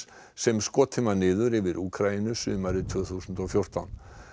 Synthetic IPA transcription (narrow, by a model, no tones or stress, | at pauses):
sɛmskɔːt̪ʰɪmanɪːðʏɾɪvɪɾʔuːkʰɾainʏsʏːmaɾɪt̪ʰvʏːθusʏnt̪ɔfjowr̥t̪a̰wn